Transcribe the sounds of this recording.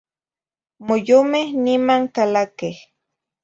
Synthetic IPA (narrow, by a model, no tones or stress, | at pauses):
mojomehnimaŋkalakeh